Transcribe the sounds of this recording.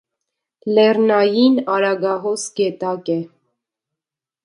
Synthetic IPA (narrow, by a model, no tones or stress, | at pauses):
lɛɾnɑjinɑɾɑɡɑɦɔsɡɛt̪ɑkɛ